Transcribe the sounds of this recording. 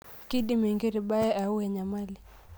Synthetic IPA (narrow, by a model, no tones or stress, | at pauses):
kiɗimiŋɡiɾiɓaɛʔauwɛɲamali